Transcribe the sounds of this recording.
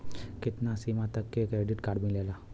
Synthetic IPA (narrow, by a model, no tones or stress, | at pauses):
kɪt̪nasimat̪əkːekɾeːɖɪʈkaːɾɖbʱĩleːlaː